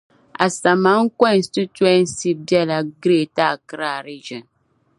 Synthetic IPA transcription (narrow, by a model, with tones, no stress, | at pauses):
a̰˨sa˨ma˦ŋ̩˦kɔ˦˨n˨stɨ˦twɛ˦n̩˦si˦b̚bjɛ˦la˨ɡɾe˦˨ta˦˨kɨ˦ɾa˦˨ɾi˦d͡ʒɔ˨n